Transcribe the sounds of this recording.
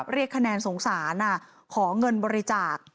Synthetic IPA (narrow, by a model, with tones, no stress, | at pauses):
p̚ɾi˥˩əkʰːa˧nɛː˧nso˩˦ŋsaː˩˦nʔa˨˩ | kʰɔː˩˦ŋɤ˧nbɔː˧ɾi˧t͡ɕaː˨˩k̚